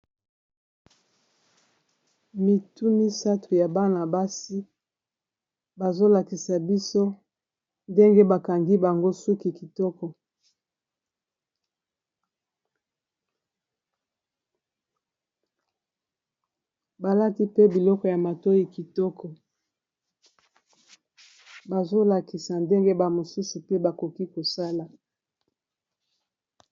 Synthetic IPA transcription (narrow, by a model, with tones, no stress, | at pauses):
mi˨tu˦mi˦sa˦tʰu˨ja˨ba˦na˨ba˦si˦ | ba˨zo˦la˨ki˨sa˨bi˦so˦ | nde˦ŋɡe˦ba˨ka˨ŋɡi˦ba˨ŋɡo˦su˦ki˨ki˨tɔ˦kɔ˨ | ba˨la˦ti˦pe˦bi˨lɔ˦kɔ˨ja˨ma˨to˦ji˦ki˨tɔ˦kɔ˨ | ba˨zo˦la˨ki˨sa˨nde˦ŋɡe˦ba˨mo˨su˦su˨pe˦ba˨ko˨ki˦ko˨sa˦la˨